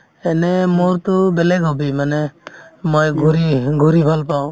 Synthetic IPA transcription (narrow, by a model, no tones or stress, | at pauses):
ɛnɛmoɾt̪ubɛlɛɡɦɔbimanɛmojɡuɾiɡuɾibʱalpaw